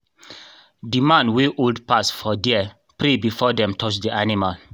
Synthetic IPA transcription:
dimãnweʔoldpasfɔdiɛ | pɾebifɔdɛ̃mtʰɔt͡ʃdiʔanimal

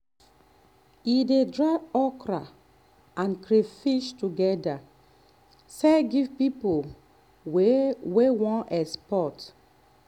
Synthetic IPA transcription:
idedɹaɔkɹa | ãnkɾefiʃtuɡɛda | seɡivpipo | wewɔ̃nɛspɔt

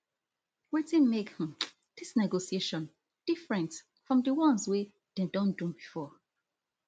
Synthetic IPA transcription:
wetĩnmekhĩ | d̥isnɛɡosieʃɔ̃n | d̥ifɹɛ̃nt | fɹɔ̃mdəwɔ̃nzwe | dedɔ̃ndũbifɔ

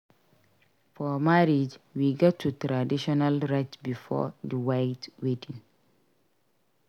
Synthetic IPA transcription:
fɔmaɾid͡ʒwiɡɔtʰːutɾadiʃɔnalɹat͡ʃbifɔ̰dəwajtwetĩŋ

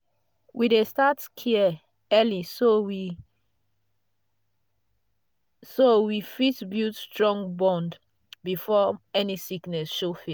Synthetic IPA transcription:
wʔidestatkʰiə | ɛlisowi | sowifitbjustɹɔ̃ŋɡbɔ̃nd | bifɔɛnisiknɛsʃofi

